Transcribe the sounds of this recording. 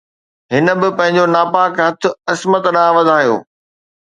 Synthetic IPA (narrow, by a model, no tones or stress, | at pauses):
ɦɪnə̆bɪpɐ̃ɦɪ̃ɲ̆d͡ʑonaːpaːkɦɐt̪ʰʊ̆ɐsmət̪ɗãːʋɐd̪ʱaːjo̰ː